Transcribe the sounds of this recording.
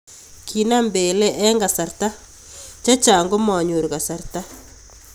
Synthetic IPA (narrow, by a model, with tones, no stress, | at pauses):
kʰi˨na˦mbe˨lɛ˦ʔɛ˦ŋɡa˨sa˨ɾta˦ | t͡ʃa˦t͡ʃa˨ŋɡo˦mɔ˨ɲu˨ɾka˨sa˨rta˦